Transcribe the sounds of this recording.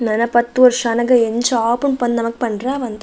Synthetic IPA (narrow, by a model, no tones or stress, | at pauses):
nɐnːapɐt̪ːɯʋɔɾʂɐnɐŋɡɐɛɲd͡ʒaːpɯnpɐnnɐmɐkːɯ̥pɐnɾãːʋɐnd̪ɐ